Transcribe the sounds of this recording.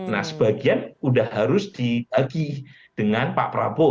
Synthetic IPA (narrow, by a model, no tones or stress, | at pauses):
na̰səb̥aɡianudahɦaɾʊsd̥ib̥aɡi | d̥əŋanpa̰ʔpɾabo